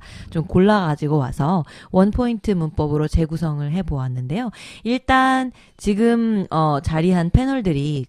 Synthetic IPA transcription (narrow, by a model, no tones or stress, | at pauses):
t͡ɕomkoɭːaɡad͡ʑiɡowa̰sʰʌwʌnpʰointʰɯmunp͈ʌbɯɾot͡ɕe̞ɡusʰʌŋɯɭɦe̞boanːɯnde̞joiɭt͈an | t͡ɕiɡɯmʌt͡ɕaɾiɦanpʰe̞nʌɭdɯɾi